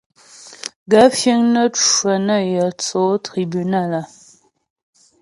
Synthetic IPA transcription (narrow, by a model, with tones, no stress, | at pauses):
ɡə˨˦fje˦ŋnə˦t͡ʃə˨nə˦˨jə˨t͡so˨˦tʁi˨by˨na˦˨lə˨